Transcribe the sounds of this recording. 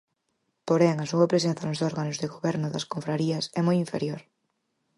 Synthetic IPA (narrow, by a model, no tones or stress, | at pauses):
poɾɛŋɐsuɐpɾesenθanʊzðɔɾɣanʊzðeɣoβɛɾnʊðɐskoɱfɾaɾiɐsɛmojiɱfḛɾjoɾ